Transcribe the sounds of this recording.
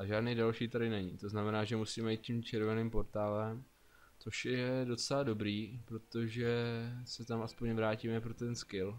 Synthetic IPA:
ʔaʒaːdnijdalʃiːt̪adɪnɛɲiːt̪o̞znamɛnaːʒɛmusiːmɛjiːt̪̚cimt͡ʃɛɾvɛniːmpo̞ɾt̪aːlɛm | t͡so̞ʃjjɛdo̞t͡sɛlado̞bɾiːpɾo̞t̪o̞ʒɛsɛt̪amʔaspo̞ɲvɾaːciːmɛpɾot̪ɛnskɪl

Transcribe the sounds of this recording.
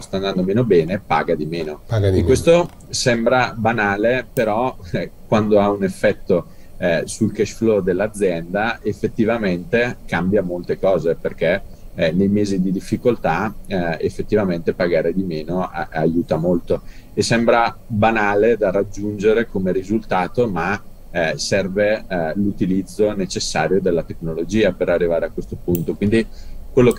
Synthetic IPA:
ost̪and̪and̪omeːnobɛːnepa̰ːɡad̪imeːnoaekwest̪o | sɛmbɾabanaːlepeɾɔkwand̪oaunefːɛt̪ːo | sulkɛʃflɔd̪elːad̪zːjɛnd̪aefːet̪ːivament̪ekambjamolt̪ekɔːzeperkenejmeːzid̪id̪ifːikolt̪aefːet̪ːivament̪epaɡaːɾed̪imeːnoajuːt̪amolt̪o | esɛmbɾabanaːled̪arad͡ʒːund͡ʒeɾekomeɾizult̪aːt̪oma | sɛrvelut̪ilid̪zːonet͡ʃesːaːɾjod̪elːat̪eknolod͡ʒiːapeɾarːivaːɾeakːwest̪opunt̪okwind̪ikwelːok

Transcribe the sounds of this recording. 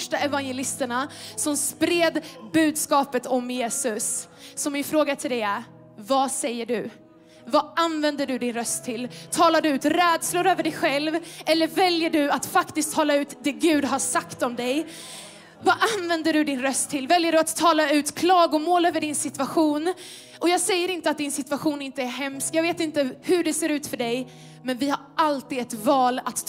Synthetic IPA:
fʂʈaɛvanjɛlɪst̪əɳasɔmspɾeːd̪bʉ̟ːd̪skɑːpət̪ʰɔmjeːsɵsː | ɔmːɪnfɾoːɡat̪ʰɪld̪ɛæɾ | vasɛjːəɖɵ | vaanvɛnd̪əɖɵd̪ɪnɾœst̪ʰːɪlt̪ʰɑːlaɖɵʉːt̪ɾɛːd̪slʊɾøːvəɖɛjɧɛlvɛlːəɾvɛljəɖɵat̪fakt̪ɪsk̚t̪ʰːɑːlaʉ̟ːt̪d̪ɛɡʉ̟ːd̪ɦasakt̪ɔmd̪ɛj | vaʔanvɛnd̪əɖɵd̪ɪnɾœst̪ʰːɪlːvɛljəɖɵat̪ʰːɑːlaʉ̟ːt̪kʰlɑːɡʊmoːløːvəɖɪnsɪt̪vaɧuːn | ʔɔjɑːɡsɛjːəɾɪnt̪əat̪̚d̪ɪnsɪt̪vaɧuːnɪnt̪əæɾɦɛmskjɑːɡveːt̪ɪnt̪əhɵɖɛseːɾʉ̟ːt̪fœɖɛj | mɛnvɪhaɾʔalt̪iːd̪ɛt̪vɑːlat̪

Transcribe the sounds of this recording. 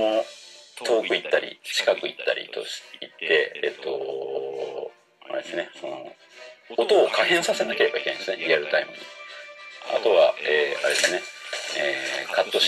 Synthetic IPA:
ot̪ʰo̞ːkɯ̟it̪ːaɾʲḭt͡ɕi̥kakɯ̟it̪ːa̰ɾʲḭt̪o̞̰̥it̪ːe̞et̪ːo̞ | aɾe̞d̪esɨne̞so̞no̰ | ot̪o̞ːkahẽɰ̃sase̞nake̞ɾe̞bai̥kenãesɨneɾʲiaɾɯ̟t̪aimɯ̟ɲi | a̰t̪o̞βaeːaɾe̞d̪esɨneeːkat̪ːo̞

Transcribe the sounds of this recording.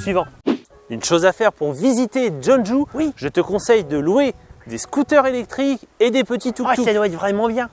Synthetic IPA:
sɥivɑ̃ | ynʃozafɛʁpuʁvizit̪ed͡ʒɔ̃nʒuwiʒət̪əkɔ̃sɛjd̪əlwed̪eskut̪œʁelɛk̚t̪χiked̪epət̪it̪uuad̪waɛt̪vʁɛmɑ̃bjɛ̃

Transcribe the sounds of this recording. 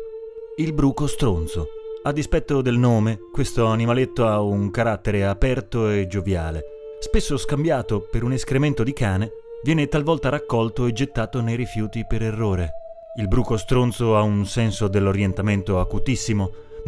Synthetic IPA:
ilbɾuːkost̪ɾont̪soad̪ːispɛt̪ːod̪elnoːmekwest̪oanimalet̪ːoauŋkaɾat̪ːeɾeapɛrt̪oed͡ʒovja̰ːle | spesːoskambjaːt̪opeɾuneskɾement̪od̪ikaːne | vjɛːnet̪alvɔlt̪aɾakːɔlt̪oed͡ʒet̪ːaːt̪onejɾifjuːt̪ipeɾerːoːɾe | ilbɾuːkost̪ɾont̪soaunsɛnsod̪elːoɾjent̪ament̪oakut̪isːimo

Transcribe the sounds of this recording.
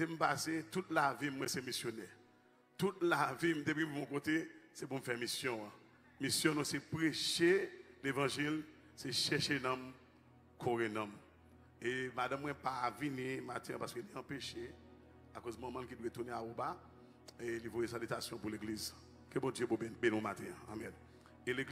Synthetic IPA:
sem̩paset̪utlavimwɛ̃semisjonɛ | t̪utlavim̩t̪epimimũkotesepum̩fɛmisjɔ̃ə̃ | misjɔ̃nũsepʁeʃelevãʒil | seʃɛʃenɔ̃m | kʰoɣẽnãm | emadãmːwɛ̃pavinĩmat̪ɛ̃ãpaskøliãpeʃe | akozmãmãnkidwet̪uneaoba | elivojesalytasjɔ̃puleɡliz | kebɔ̃djøbobenũmat̪ʰɛ̃ã̰ːmɛ̃n | eleɡ

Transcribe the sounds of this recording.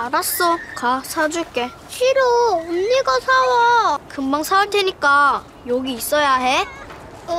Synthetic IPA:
aɾas͈ʌkasʰad͡ʑuɭk͈e̞ | ɕʰiɾoomɲiɡasʰawʌkɯmbaŋsʰawaɭtʰeɲik͈a | joɡiːs͈ʌjaɦe̞

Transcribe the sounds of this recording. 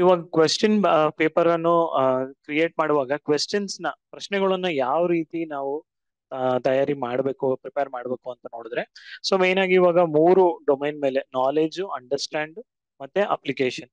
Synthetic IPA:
iːʋaːɡɐkʋesʈɐnpeːpɐɾɐnːukɾijeːʈ̚maːɽʋaːɡɐkʋesʈɐnsnɐpɾɐʃnɛɡɐɭɐnːujaːʋɐɾiːt̪inaːʋu | t̪ɐjaːɾimaːɽbe̞ːkupɾipeɾmaːɽbe̞ːkuɐnt̪ɐno̞ːɽud̪ɾeso̞ːmeːnaːɡiːʋaːɡɐmuːɾuɖomejnme̞ːle̞naːle̞ːd͡ʒuɐɳɖɐɾsʈaːɳɖ | mɐt̪ːeʔɐ̰plikeːʂɐn

